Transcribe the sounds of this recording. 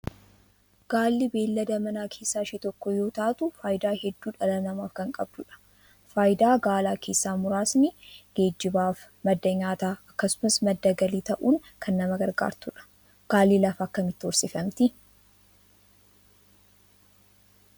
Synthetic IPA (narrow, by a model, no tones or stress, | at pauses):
ɡ̥aːlːɪbe̞ːlːɐd̪ɐmɐnaːkʰe̞ːsːaːʃit̪ɔkːɔjo̞ːt̪aːt̪ʊfaːjd̪aːhɛd̪ːuːᶑɐlɐnɐmaːfkɐŋkʼɐbd̪ʊᶑɐ̥ | faːjd̪aːɡaːlaːkʰe̞ːsːaːmʊɾaːsmɪɡ̥e̞ːd͡ʒːɪbaːf | mɐd̪ːɐɲaːt̪aːɐkːɐsʊmɐsmɐd̪ːɐɡɐliːt̪ɐʔuːŋkʰɐnːɐmɐɡɐɾɡa̰ːɾt̪ʊᶑɐ̥ | ɡ̥aːlːiːlɐfɐkːɐmɪt̪ːɪɔɾsɪfɐmt̪ɪ